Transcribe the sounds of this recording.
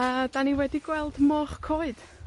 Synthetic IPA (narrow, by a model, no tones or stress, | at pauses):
əd̥aniwɛdiɡwɛlˠdmɔχkʰoːɨd̥